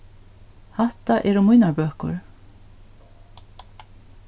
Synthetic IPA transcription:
haht̪aʔɛɾʊmujnaɹbøːkʊ̰ɹ

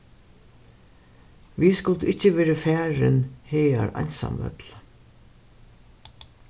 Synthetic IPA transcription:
viskʊlt̪ʔɪht͡ɕːəʋɛːɾafæːɹɪ̰nheːa̰ɾa̰jnsa̰mœ̰t̪l̥

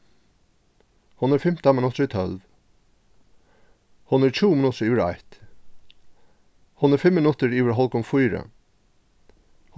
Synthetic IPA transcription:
hʊnɾfɪm̥t̪amɪnʉt̪əɹit̪ʰœlʋ | hʊnæɹçʰuːmɪnʉt̪əɹiːʋəɹɑ̰ɪt̪ | hʊnfɪmːɪnʉt̪əɹiːʋəɹɦɔlkʊmfuːɾə̰ | h

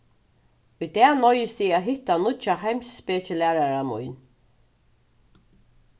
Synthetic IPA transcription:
ʊjd̪ɛːnɔjɪst̪iæːɦɪht̪anʊt͡ʃahajmsːpeːt͡ʃəlæːɾaɾamʊ̰jn

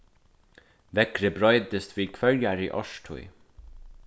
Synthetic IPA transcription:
ʋɛkɾəbɾɔʏt̪ɪst̪ʋiːkʰvœljaɹiʔɔ̰ʃtʰṵj

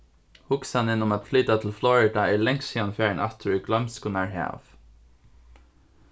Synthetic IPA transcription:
hʊksɑnɪnʊmɑt̪flyt̪at̪ʰl̩flɔɹɪd̪ɑiːlɛŋsiːɑnfæːəɳʔɛt̪ʰəɹʉɡlœmskʊnæːɹhæ̰ːf

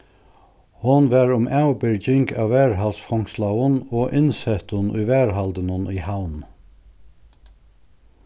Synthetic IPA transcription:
hʊnʋæɹʊmʔæwbɪɹd͡ʒɪŋɡa̰wʋæːɹɦalsfɔŋ̥slawʊnɔːʔɪnsɛt̪ʊnʊ̰jvɛːɹɦalt̪ɪnʊniːhawn

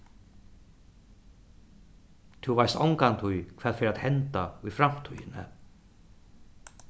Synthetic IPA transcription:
t̪ʰuvajst̪a̰wŋkant̪ʰujkʰvɛːð̥fɪɾaðhɛnt̪aufɾam̥t̪ʰœjɪnɪ̰

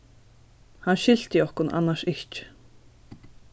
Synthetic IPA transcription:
hanɕɪl̥t̪jɪɔhkʊnʔa̰nːaʃɪht͡ʃ

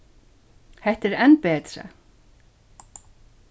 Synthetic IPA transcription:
hɛht̪ɛɾɛnːpɛːt̪ɾa̰

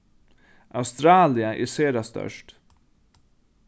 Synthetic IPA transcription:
ʔaʉst̪ɾɑːlɪəʔḛːseːɾɑst̪œ̰ʂt

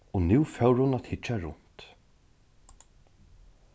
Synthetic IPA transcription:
ɔnuwfœwɾhʊnat̪hɪt͡ʃaɹʊ̰n̥t̪

